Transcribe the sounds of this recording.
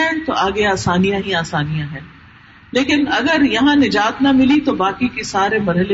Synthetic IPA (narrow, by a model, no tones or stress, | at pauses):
ɛ̃t̪oaːɡeaːsaːnijãɦiaːsaːnijãɦɛ̃ː | leːkɪnɐɡəɾjɐɦãnɪd͡ʒaːt̪nɐmɪlit̪obaːkikesaːɾemɐɾɦəle